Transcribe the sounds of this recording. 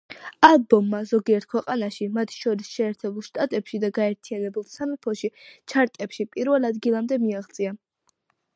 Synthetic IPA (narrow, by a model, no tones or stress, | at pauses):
alˠbɔmːazɔɡiɛɾt̪̚kʰwɛqʼanaʃimat̪ʰʃɔɾisʃɛːɾt̪ʰɛbulˠʃt̪ʼat̪ʼɛpʃid̪aɡaɛɾt̪ʰianɛbulˠsamipʰɔʃit͡ʃʰaɾt̪ʼɛpʃipʼiɾvɛlˠad̪ɡilˠamd̪ɛmiaʁt̪sʼia